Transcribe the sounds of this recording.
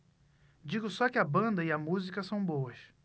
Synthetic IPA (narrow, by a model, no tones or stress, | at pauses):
d͡ʒiɡʊsɔkɪɐbɐ̃nd̪ɐɪɐmuzikɐsɐ̃w̃bowɐʃ